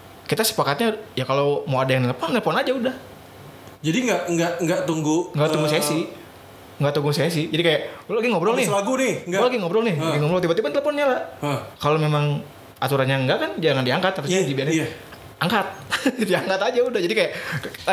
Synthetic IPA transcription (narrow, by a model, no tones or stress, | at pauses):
kit̪asə̥pakat̪̚ɲajakalomawadajaŋnɛləpɔanːɛlpɔanad͡ʒaudah | d͡ʒadiŋɡaʔŋɡaʔŋɡat̪uŋɡuŋɡaʔt̪uŋɡusajasɪ | ŋɡaʔt̪uŋɡusajasɪhd͡ʒadikajaʔlaɡiŋɔbɾɔŋnɪlaɡunɪŋɡlaɡiŋɔbɾɔŋnɪaɡiŋɔbɾɔŋt̪ibat̪ibanləpɔnɲalakalomemaŋ | at̪uɾanɲaŋɡaʔkand͡ʒaŋandiaŋkat̪ːaɾʊsadibiaɲa | aŋkat̪̚diaŋkat̪ad͡ʒaudahd͡ʒadikajaʔ